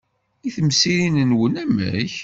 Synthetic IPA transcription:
iθəmsiɾinənwənæmə̰ç

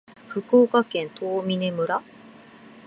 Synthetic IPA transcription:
ɸɯ̟koːkakẽ̞nt̪oːmʲine̞mɯ̟ɾa

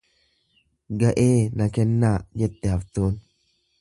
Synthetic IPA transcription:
ɡɐʔeːnɐkɛnːaːd͡ʒɛt̪ːɛhɐft̪oːn

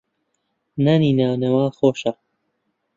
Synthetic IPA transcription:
nɐniːnaːwnɐwaːxoːʃa

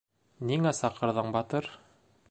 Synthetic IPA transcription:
niŋæsɑqɤ̆ɾðɤɴbɑt̪ɤɾ

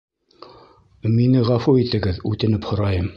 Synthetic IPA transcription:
minɘʁæfuit̪ɘ̆ɡɘðʉt̪ɘ̆nɘphŏɾɑjɤm

